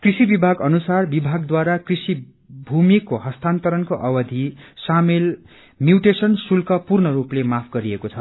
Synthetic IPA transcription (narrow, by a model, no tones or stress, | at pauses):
krisibibʱaɡʌnusarbibʱaɡd̪waɾakrisi | bʱumikoɦʌst̪ant̪ʌɾʌnkoʔʌwʌd̪ʱisamel | mjuʈesʌnsulkʌpurnʌɾuplemapʰɡʌɾiekot͡sʰʌ